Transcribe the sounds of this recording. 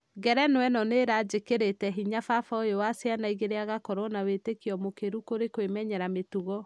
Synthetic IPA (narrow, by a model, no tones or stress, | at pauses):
ɡɛɾɛnwɛnɔneɾad͡ʒekeɾetɛɦiɲafafaojowasjanaiɣeɾeaɣakɔɾɔnawetekiɔmokeɾukoɾekwemɛɲɛɾametuɣɔ